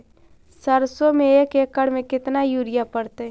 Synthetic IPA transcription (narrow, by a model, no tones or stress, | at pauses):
səɾsomẽeːkeːkːəɽmẽkɪt̪najuːɾɪjapəɽt̪e